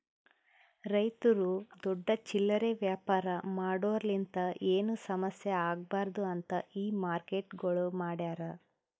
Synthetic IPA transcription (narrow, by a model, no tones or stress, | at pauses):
ɾɐjt̪ɐɾud̪ɔɖːɐt͡ʃilːɐɾeʋjaːpaːɾɐmaːɽoːɾɐlint̪ɐʔeːnusɐmɐsjɐaːɡ̚baːɾd̪uɐnt̪ɐiːmaːɾkeʈɡoɭumaːɽjaːɾɐ